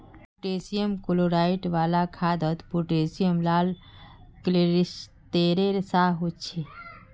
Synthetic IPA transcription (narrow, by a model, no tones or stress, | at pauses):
puʈeːsijəmkoloɾaːɪʈʋaːlakʰad̪ət̪puʈeːsijəmlaːlkleɾist̪eːɾeɾsaɦot͡ʃʰe